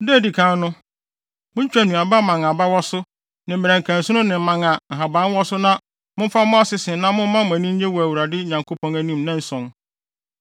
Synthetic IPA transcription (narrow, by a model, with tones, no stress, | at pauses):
de˦˨di˨kʰãː˦nnʊ̃˦ | mʊ̃˦t͡ɕᶣæ˨nũ˨a˨ba˦mã˨ŋ˨a˨ba˦wɔ˦sʊ˦ | nɪ̃˨m̩˨ɾæ̃˨ŋ̩˨kʰæ̃˨n˨sʊ̃˦nʊ̃˦nɪ̃˨m̩˦mã˨ŋa˨ŋ̩˨ɦa˨bã˨˦n˦wɔ˦sʊ˦nã˦ | mʊ̃˦fa˦mʊ̃˦a˦sɪ˦sɪ̃˨nã˦mʊ̃˦m̩˦mã˦mʊ̃˨æ˨nĩ˦ɲ˦e˦wɔ˨æ˨wu˨ɾa˨dɪ˦ɲã˨ŋkʰo˦pʰɔ̃˦næ˨nĩ˦mnã˦n̩˦sɔ̃˨n